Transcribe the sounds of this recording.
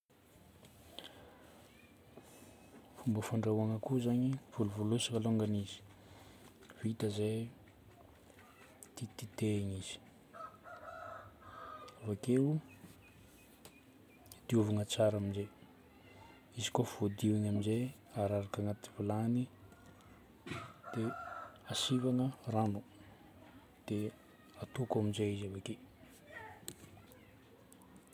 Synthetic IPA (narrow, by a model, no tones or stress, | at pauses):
fumbəfaɳɖ͡ʐawaŋəkuzaɲiv̥uluvolusakaloŋɡanizi̥ | v̥it̪əze | t̪it̪it̪eɲiz̥i̥ | avake | d̪̥iuvanət͡saɾaminze | izi̥kov̥od̪iwinaminze | aɾaɾakaŋat̪i̥vilani | d̪̥easivaŋəranu | d̪̥e | at̪ukaminzeizavake